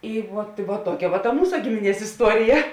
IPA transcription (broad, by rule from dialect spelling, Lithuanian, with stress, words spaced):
ˈɪ ˈʋuɔt ʋuɔt ˈtuɔkʲɛ ʋɐ tɐ ˈmuːsɐ ˈɡʲɪmʲɪˌnʲiɛs ɪsˈtuɔrʲɪjɛ